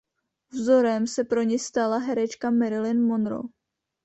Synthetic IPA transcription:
vzo̞ɾɛmsɛpɾo̞ɲɛst̪alaɦɛɾɛt͡ʃkamɛɾɪlɪnmo̞nɾo̰

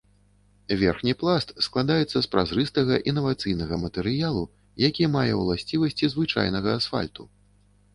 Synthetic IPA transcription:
vʲɛrxnʲiplˠast̪sklˠad̪ajɛt̪sːɐspɾazɾɨst̪ɐɣɐʔinːɐvat̪sɨjnɐɣɐmɐt̪ɛɾɨjalˠu | jakʲimajɛwlˠasʲt͡sʲivɐsʲt͡sʲizvɨt͡ʂa̰jnɐɣɐasfa̰lʲt̪u

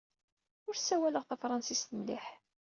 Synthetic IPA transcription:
ʊɾsːæwæləʁθæfɾˤɑnsist̪əmliħ

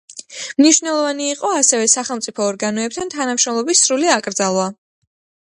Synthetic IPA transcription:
mniʃvnɛlˠɔvaniːqʼɔasɛvɛsaχɛlˠmt̪sʼipʰɔːɾɡanɔɛp̚t̪ʰant̪ʰanamʃɾɔmlˠɔbisːɾuliakʼɾd̪zalˠva

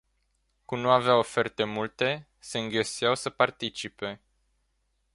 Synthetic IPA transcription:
kumnuaveao̞fe̞rt̪e̞mult̪e̞ | se̞ɨŋɡesijawsəpart̪it͡ʃipe̞

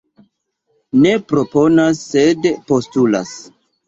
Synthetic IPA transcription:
ne̞pɾo̞po̞nasːe̞dpo̞stula̰s

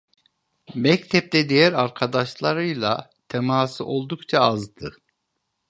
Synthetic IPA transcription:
mɛct̪ʰɛp̚t̪ɛd̪ejæɾaɾkʰad̪aʃlˠaɾɯjlˠat̪ʰɛmaːsɯ̰ʔo̞lˠd̪ukt͡ʃʰaazd̪ɯ

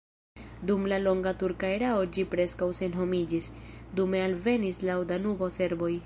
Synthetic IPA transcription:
dumlalo̞ŋɡatuɾkaeɾao̞d͡ʒipɾe̞skawse̞nɦo̞mid͡ʒisdume̞alve̞nislawdanubo̞se̞ɾbo̞j

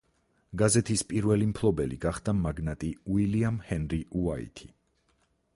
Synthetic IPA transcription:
ɡazɛt̪ʰispʼiɾvɛlimpʰlˠɔbɛliɡ̥aχd̪amaɡnat̪ʼiwiliamhɛnɾiuaḭt̪ʰi̥

